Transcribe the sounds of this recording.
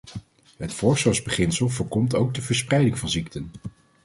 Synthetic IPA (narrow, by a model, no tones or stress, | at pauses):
ɦətfɔɹsəwzbəχɪnsəlˠvəːɹkɔmtowɡ̚dəvəɹsprɛjdɪŋvɑnziktən